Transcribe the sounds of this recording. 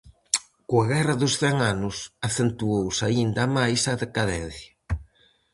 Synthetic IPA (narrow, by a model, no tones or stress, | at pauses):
koaɣɛrɐðʊsθɛŋanʊsaθent̪uowsaind̪ɐmajsaðekaðɛn̟θjɐ